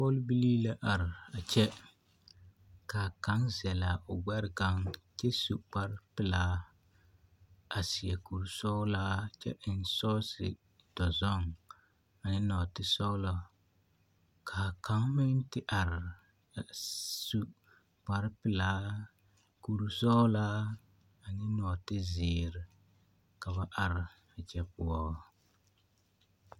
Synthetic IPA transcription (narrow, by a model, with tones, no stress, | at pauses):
pɔ˦lbi˦liː˦la˦ʔa˨ɾɪ˨a˨t͡ʃɛ˦ | kaː˨ka˨˦ŋzɛ˨la˨ʔʊ˨ɡ͡bɛ˦ɾɪ˦ɡa˦ŋt͡ʃɛ˦su˨k͡pa˦ɾpɪ˨laː˦ | a˨si˨ɛ˨ku˨ɾu˦sɔ˦laː˦t͡ʃɛ̰˦ʔɪ˨n˦sɔː˦sɪ̰˨ | d̥ɔ˨zɔ˦ŋ | a˨nɪ˦nɔ˨tɪ˦sɔ˦lɔ˦ | kʰa˨ka˦ŋ˦mɪ˦n˦tɪ˦ʔa˨ɾɪ˨ | su˦ | k͡pa˨ɾɪ˦pɪ˨laː˦ | ku˨ɾu˨sɔ˦laː˦ | a˨nɪ˦nɔ˨tɪ˦zɪː˨ɾɪ˨ | ka˨βa˦ʔa˨ɾɪ˨ | a˨t͡ʃɛ˦pʊ˦ɔ˦